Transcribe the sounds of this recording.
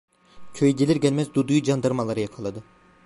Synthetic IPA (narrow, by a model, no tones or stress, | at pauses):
cʰøjd̪ʲilʲiɾɟʲælʲmɛzd̪ud̪ujud͡ʒand̪ɯɾmalˠaɾɯjakʰalˠad̪ɯ